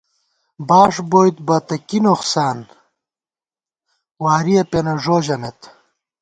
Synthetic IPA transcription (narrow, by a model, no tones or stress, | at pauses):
baːʂboːjt̪bɐt̪ɐkinoχsaːn | waːɾiɐpenɐʐoːʑɐmet̪